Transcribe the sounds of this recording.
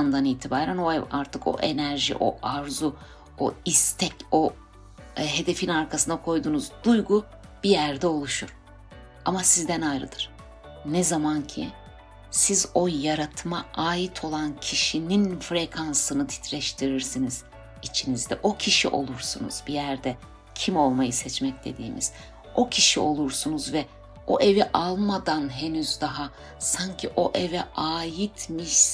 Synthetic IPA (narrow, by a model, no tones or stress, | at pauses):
nd̪aniːt̪ʰibaːɾænoaɾt̪ʰɯkʰo̞̰ʔe̞næɾʒḭʔo̞̰ʔaɾzu | oist̪ʰɛco̞ | ɦe̞d̪e̞finaɾkʰasɯnd̪akʰo̞jd̪uːnuzd̪ujɡu | b̥ijæɾd̪ɛo̞lˠuʃuɾ̥ | amasizd̪ɛnajɾɯ̰d̪ɯɾ̥ | nɛzamancʰḭ | sizo̞jaɾat̪ʰɯmaaːjit̪ʰo̞lˠancʰiʃininfɾekʰansɯnɯt̪ʰi̥t̪ʰɾɛʃt̪ʰiɾiɾsiniz̥ | it͡ʃʰinizd̪ɛ̰ʔo̞cʰiʃḭʔo̞̰lˠuɾsunṵz̥bijæɾd̪ɛ | cʰimo̞lˠmajɯsɛt͡ʃmɛc̚d̪e̞̰d̪ḭːmiz̥ | o̞cʰiʃio̞lˠuɾsunuzvɛ | o̞ʔevɛʔalˠmad̪anɦe̞nyzd̪aɦa | saɲcʰiʔo̞ʔɛvɛaːjit̪ʰmiʃ